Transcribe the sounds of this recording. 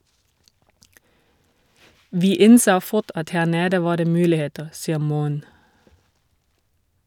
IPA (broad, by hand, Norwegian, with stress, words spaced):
ˈʋiː ˈɪnsoː ˈfʊt ˈɑt ˈhæː ˈneːdə ˈʋɑː ˈdeː ˈmʉːlɪˌheːtəʁ ˈsiːə ˈmuːən